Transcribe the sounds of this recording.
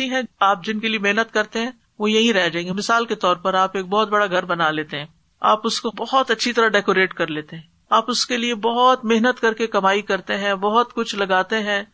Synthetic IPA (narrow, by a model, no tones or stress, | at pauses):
iɦɛ̃aːp̚d͡ʒɪnkeliemeɦnət̪kɐɾt̪eɦɛ̃ː | ʋojɐɦĩɾɛɦd͡ʒaːẽːŋɡemɪsaːlket̪ɔːɾpɐɾaːpeːk̚bɔːt̪̚bɐɽaɡʱɐɾbɐnaleːt̪eɦɛ̃ː | a̰ːpʊskobɔɦɔt̪ɐtːʃʰit̪ɐɾaɖɛːkoːɾeːʈkɐɾleːt̪eɦɛ̃ː | aːpʊskeliebɔɦɔt̪meɦnət̪kɐɾkekɐmaːikɐɾt̪eɦɛ̃bɔɦʊt̪kʊt͡ʃʰlɐɡaːt̪eɦɛ̃ː